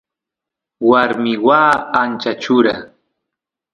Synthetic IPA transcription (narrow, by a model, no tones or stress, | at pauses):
waɾmɪwaːnt͡ʃat͡ʃʊɾa